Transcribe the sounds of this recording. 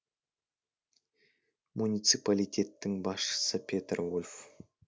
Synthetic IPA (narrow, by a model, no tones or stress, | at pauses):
munit̪sɨpalʲijt̪ʲʰe̞t̪ːɪŋbɑsʃə̥səpʲʰet̪rvolʲf